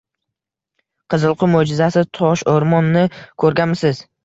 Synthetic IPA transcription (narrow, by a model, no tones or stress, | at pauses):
qʰɨzɨlˠqʰʊmod͡ʒɪzasɪt̪ʰɒʃoɾmɒnːɪkʰɵɾɡʲamɪsɪz̥